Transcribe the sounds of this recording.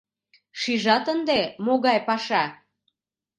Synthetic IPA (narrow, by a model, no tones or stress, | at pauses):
ʃiʒɑt̪ənd̪emoɣɑjpɑʃɑ